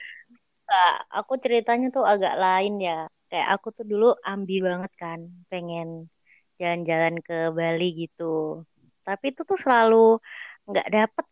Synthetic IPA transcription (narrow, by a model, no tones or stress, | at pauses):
a | kaʔa̰kut͡ʃəɾit̪aɲat̪ʊaɡa̰ʔlaɪnjakaja̰ʔakut̪ʊduluʔambilbaŋət̪̚kanpeŋɛn | d͡ʒaland͡ʒalankəbaliɡit̪u | t̪apit̪ut̪ʊsəlaluŋɡaʔdapət̪̚